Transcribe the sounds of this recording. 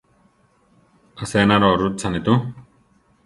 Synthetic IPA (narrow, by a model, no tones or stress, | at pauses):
əsenaɾɔɾut̪̚t͡sʰanit̪u